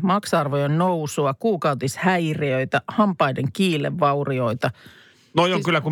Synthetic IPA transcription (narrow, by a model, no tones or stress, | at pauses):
mɑksɑrʋojennowsuɑkuːkɑwt̪ishæjriøjt̪æhɑmpɑjdeŋkiːlːḛʋːɑurio̞it̪ɑ | nojoŋkylːæku